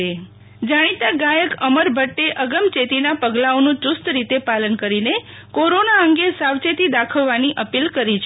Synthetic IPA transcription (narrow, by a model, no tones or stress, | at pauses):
e | d͡ʒaɽ̃it̪aɡajəkəməɾbʱəʈːeʔəɡəmt͡ʃet̪inapəɡlaonũt͡ʃust̪ɾit̪epalənkəɾine | koɾonaəŋɡesawt͡ʃet̪id̪akʰəʋːaniʔəpilkəɾit͡ʃʰ